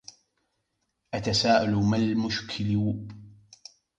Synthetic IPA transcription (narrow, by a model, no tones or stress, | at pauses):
ʔat̪asaːʔalmalmʊʃkʰɪlu